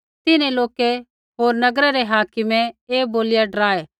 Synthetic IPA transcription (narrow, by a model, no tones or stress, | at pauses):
t̪ɪnẽloːke | ɦoːɾnɐɡɾaɾeɦaːkɪmẽeːboːlɪjaɖɾaːeː